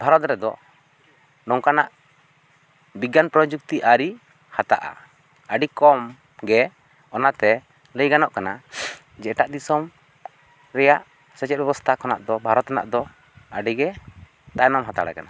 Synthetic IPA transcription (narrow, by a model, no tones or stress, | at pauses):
bʱaɾɔt̪ɾɛd̪ɔ̰ | ɖɔŋkanaʔ | biɡanpɾɔd͡ʒuk̚t̪iʔaɾi | hat̪a̰ʔa̰ | əɖikɔm | ɡɛ | ɔnat̪ɛ | ləjɡanɔʔkana | d͡ʒɛʈaʔd̪isɔm | ɾɛjaʔ | sɛt͡ʃɛt̪̚bɛbɔst̪ʰakɔna̰ʔd̪ɔbʱaɾɔt̪ana̰ʔd̪ɔ | əɖiɡɛ | t̪ajnɔmɦat̪aɽa̰kana